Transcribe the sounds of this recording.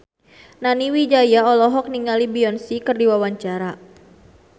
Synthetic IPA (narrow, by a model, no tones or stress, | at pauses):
naniwid͡ʒajaɔlɔɦɔk̚niŋalibiɔnsikərdiwawaɲt͡ʃaɾa